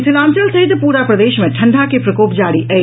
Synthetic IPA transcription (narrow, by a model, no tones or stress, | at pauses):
sɪlãːmt͡ʃəlsɐɦɪt̪ːpuːɾapɾəd̪eːʃmẽʈʰɐ̃ɳɖʱakepɾɐkoːpd͡ʒaːɽiʔɛ